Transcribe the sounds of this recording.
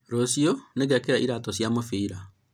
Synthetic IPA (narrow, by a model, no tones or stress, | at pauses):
ɾosioneɣɛkeɾaʔiɾatɔɕjamofiɾa